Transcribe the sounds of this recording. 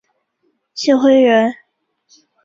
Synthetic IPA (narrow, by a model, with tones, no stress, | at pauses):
ɕi˥˩xwe˥ɪɥɛ˧˥n